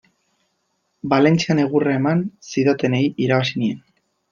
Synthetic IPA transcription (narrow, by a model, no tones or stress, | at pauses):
bale̞nt͡siane̞ɣuraemansiðot̪e̞ne̞iʔiɾaβasinie̞n